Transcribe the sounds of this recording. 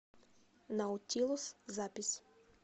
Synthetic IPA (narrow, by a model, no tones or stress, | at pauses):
nɐʊt̪ʲilˠʊszapʲɪsʲ